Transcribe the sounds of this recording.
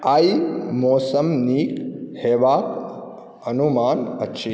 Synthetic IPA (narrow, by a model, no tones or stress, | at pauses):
aimɔːsəmniːkheːʋaːk | ɐnumaːnətːʃʰi